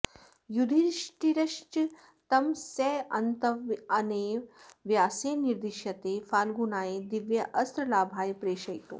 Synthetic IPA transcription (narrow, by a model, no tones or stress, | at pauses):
jud̪ʱiɾʃʈiɾɐʃt͡ʃ | t̪ɐmseːɐnt̪ɐʋɐneːʋjaːseːniɾd̪iʃjɐt̪eːfaːlɡunaːjed̪iʋjɐʔɐst̪ɾɐlaːbʱaːjpɾeːʃɐjt̪o̰